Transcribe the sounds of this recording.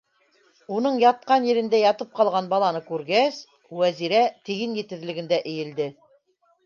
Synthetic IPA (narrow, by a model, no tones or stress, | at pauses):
unɤɴjɑt̪̚qɑnjɘ̆ɾɘ̆nd̪æjɑt̪ɤp̚qɑlˠʁɑnbɑlˠɑnɤkʉɾɡæs | wæziɾæt̪iɡɘnjɘ̆t̪ɘ̆ðlɘ̆ɡɘ̆nd̪æʔɘ̆jɘ̆ld̪ɘ